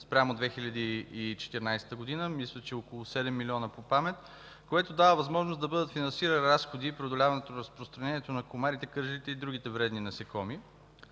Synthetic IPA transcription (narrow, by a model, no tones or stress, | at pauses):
spɾʲamod̪vɛxilʲɐd̪iːt͡ʃɛ̥t̪ɛɾnajsɛ̥t̪əɡod̪inəmislʲˠət͡ʃɛokolˠʊsɛd̪ɛmːilʲiɔnəpopamɛt̪ | koɛt̪od̪avəvɐzmɔʒnosd̪ɐbɤd̪ət̪finɐ̃nsiɾənɾasxod̪ipɾʲiod̪olʲavɐnɛt̪onɾɐspɾost̪ɾɐnɛniɛt̪onɐkomaɾit̪ɛkɤɾʒlit̪ɛid̪ɾuɡ̟it̪ɛvɾɛd̪ninɐsɛkɔmi